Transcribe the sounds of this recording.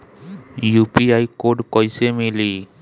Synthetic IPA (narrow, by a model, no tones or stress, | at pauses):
jupiajkoɖkɔjsemili